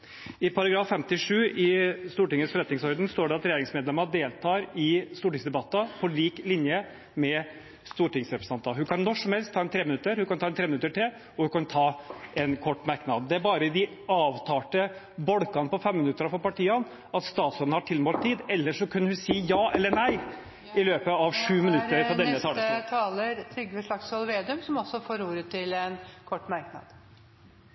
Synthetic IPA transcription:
ɪpʰɑɾɑɡɾɑːfːɛmt̪ɪʂʉːʔɪst̪uːʈɪŋːəsfɔɾɛt̪nɪŋsɔɾd̪nst̪oːɖɛɑt̪ɾɛjeːɾɪŋsmeːd̪lɛmɑd̪eːlt̪ʰɑːɾɪst̪uːʈɪŋsd̪ɛbɑt̪ːɑpʰɔɭiːklɪnjə | mɛ | st̪uːʈɪŋsɾɛpɾə̥sɑnt̪ɑɦʉkɑnnɔʂɔmhɛlst̪ʰɑːɛnt̪ʰɾeːmɪnʉt̪ːəɾhʉkɑnɑːɛnt̪ʰɾeːmnʉt̪əʈɪl | ɔhʉkɑnt̪ʰɑːɛnkʰɔʈːmæɾknɑd̪̚d̪ɛæɾbɑːɾəd̪ɪ | ɑːʋt̪ʰɑːʈə | bɔɽkɑnəpɔfɛmmɪnʉt̪ːəɾɑfɔɾpɑʈiːɑn | ɑt̪st̪ɑːt̪sɔd̪n̩hɑʈʰɪlmoːlt̪ʰːiːd̪ɛlːəʂɔkʰʉnːəhʉsiːjɑːʔɛlːəɳæɪ | ɪløːpəɑʋʂʉːmɪnʉt̪ːəɾɔd̪ɛnːət̪ʰɑːlt̪ʰɑːləɾt̪ʰɾʏɡːəʂɭɑksɔlʋeːd̪ʉmsɔmɔsːɔfoːɾuːɾət̪ʰɪlɛnkʰɔʈːmæɾknɑ̰d̪̥

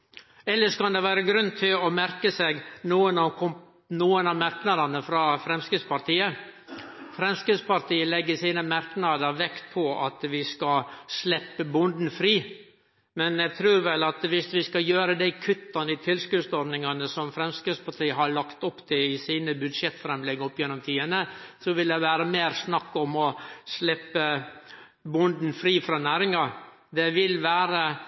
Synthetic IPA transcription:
ɛlːəʂkɑnd̪ɛʋæːɾəɡɾʉnt̪ʰɪlɔmæɾkəsɛɡnuːənɑkʰɔ | nuːənɑmæɾknɑd̪ɑnəfɾɑːfɾɛmskʉspɑɾt̪ʰiːə | fɾɛmskʉd̪spɑɾt̪iːəlɛɡːəsiːnəmæɾknɑd̪əɾʋɛkt̪̚pʰɔɑt̪ʋɪskɑslɛpːəbʊnd̪n̩fɾiː | mɛnɛɡt̪ʰɾʉːɾʋɛlɑt̪ʋɪsʋɪskɑjøːɾəd̪æɪkʰʉt̪ːɑnəɪt̪ʰɪlskʉst̪ɔɾɖ̪nɪŋɑnəsɔmfɾɛmskɾɪtspɑʈ̪ʰiːəɦɑɭɑkt̪ɔpːt̪ʰɪɪsiːnəbʉd̪ʂjɛt̪ːfɾɛmlɛɡːɔpːjɛnːɔmt̪ʰiːənəsɔʋɪld̪ɛʋæːɾəmeːɾsnɑkːɔmɔslɛpːə | bʊnd̪n̩fɾiːfɾɑːnæːɾɪŋɑɾ | d̪ɛʋɪlʋæːɾə

